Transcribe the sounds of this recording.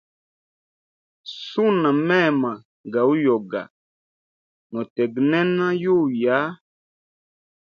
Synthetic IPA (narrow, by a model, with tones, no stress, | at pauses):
su˦na˨mɛ˦˨ma˨ | ɡa˨u˦jɔ˨ɡa̰˨ | nɔ˨tɛ˨ɡnɛ˦nã˦ju˦˨ja˨˦